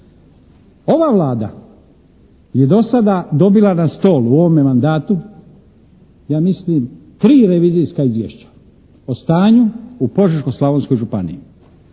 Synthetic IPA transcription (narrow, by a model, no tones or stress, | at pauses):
o̞ʋaːʋlˠaːd̪a̰ | jed̪o̞sad̪ad̪o̞bilˠanast̪o̞ːluo̞ʋomemand̪aːt̪u | jaːmislimt̪ɾiːɾeʋiːzijskaizʋjḛʃt͡ɕḁ | ost̪aːɲuupo̞ʒeɾkoslˠaʋonsko̞jʒupanḭji